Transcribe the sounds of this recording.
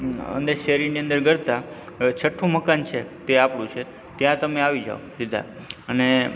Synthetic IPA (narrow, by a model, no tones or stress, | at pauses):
ə̰nd̪eʃeɾiɾnijə̃nd̪əɾɡəɾt̪a | t͡ʃʰəʈʰːũməkant͡ʃʰet̪eapɽũt͡ʃʰe | t̪jãt̪əmeaʋid͡ʒa̰osid̪ʱa̰ | əne